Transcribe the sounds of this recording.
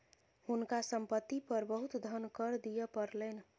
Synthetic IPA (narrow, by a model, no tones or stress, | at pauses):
hunkasəmpət̪ːipəɾbəɦut̪d̪ʱənkəɾd̪ijəpəɾlən